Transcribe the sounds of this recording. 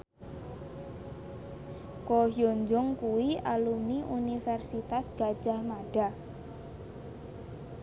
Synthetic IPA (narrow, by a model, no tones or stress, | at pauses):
koɦjoɲd͡ʒʊŋkuwialumiʔunifɛrsit̪asɡ̥ḁd͡ʒ̥a̤hmaɖ̥a